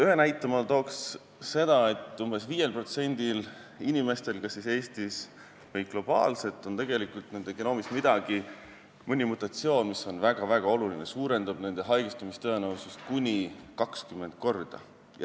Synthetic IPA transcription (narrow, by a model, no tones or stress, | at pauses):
yɦe̞næjt̪ːˑɑmɑlt̪o̞ːksː | e̞d̪̥ɑe̞t̪ːˑumbe̞sviːje̞lpro̞t̪se̞nʲd̪il | inʲime̞st̪e̞lkɑsːise̞ːst̪is | vɯjɡ̥lo̞b̥ɑ̰ːlse̞t̪ːˑo̞nt̪e̞ɡe̞likult̪ne̞nd̪ekeno̞ːmist̪mid̪̥ɑɡ̥i | mɤnʲimut̪ːˑɑt̪sio̞ːnmiso̞nvæɡ̥ɑvæɡ̥ɑo̞lulinesuːɾe̞nd̪ub̥ne̞nd̪̥e̞ɦɑjɡ̥ist̪umist̪ɤ̞enəwsust̪̚kunʲikɑkskymːe̞nd̪̥̚ko̞rd̪̥ɑ̰